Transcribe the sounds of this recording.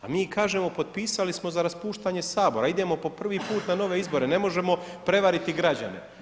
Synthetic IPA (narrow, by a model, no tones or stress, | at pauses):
a̰miːkaːʒe̞mo̞po̞d̪̚piːsalismo̞zaɾaspuːʃt̪aɲe̞saːbo̞ɾaid̪e̞mo̞po̞pr̩ʋiːpuːt̪nano̞ʋe̞izbo̞ɾe̞ne̞mo̞ʒe̞mo̞ | pɾe̞ʋaɾit̪iɡɾad͡ʑa̰ne̞̰